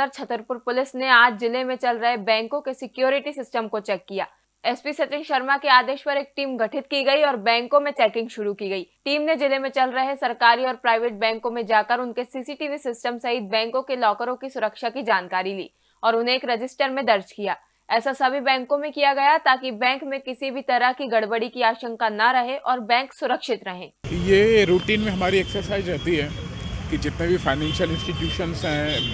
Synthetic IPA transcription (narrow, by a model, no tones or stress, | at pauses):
əɾt͡ʃʰɐt̪əɾpʊɾpʊlɪsneaːd͡ʒzɪlemẽt͡ʃɐlɾɐɦebɛ̃ːŋkõkesɪkjoːɾɪʈisɪsʈəmkot͡ʃɛːkːijaː | ɛspisɐt͡ʃɪ̃ŋʃɐɾmakeaːd̪eːʃpɐɾeːk̚ʈiːmɡʱɐʈʰɪt̪kiɡɐiɔːɾbɛ̃ːŋkõmẽt͡ʃɛːkɪ̃ŋɡʃʊɾukiɡɐiːʈiːmned͡ʒɪlemẽt͡ʃɐlɾɐɦesɐɾkaːɾiɔːɾpɾaːɪʋeːʈ̚bɛ̃ːŋkõmẽd͡ʒaːkɐɾʊnkesiːsiːʈiːʋisɪsʈəmsɐɦɪt̪̚bɛ̃ːŋkõkelɔːkəɾõkisʊɾəkʃakid͡ʒaːnkaːɾilḭː | ɔːɾʊnɦẽːkɾɐd͡ʒɪsʈəɾmẽd̪ɐɾd͡ʒkijaː | ɛːsasɐbʱibɛ̃ːŋkõmẽkijaɡɐjat̪aːkibɛ̃ːŋkmẽkɪsibʱit̪ɐɾəɦkiɡɐɽbəɽikiaːʃə̃ŋkanaɾɐɦeʔɔːɾbɛ̃ːŋksʊɾəkʃɪt̪ɾɐɦẽːjeːɾuːʈiːnmẽɦɐmaːɾiɛːksəɾsaːɪzɾɛɦt̪iɦɛːkid͡ʒɪt̪nẽbʱifaːɪnɛ̃ːnʃəlɪ̃nsʈiʈjuːʃənsɦɛ̃ː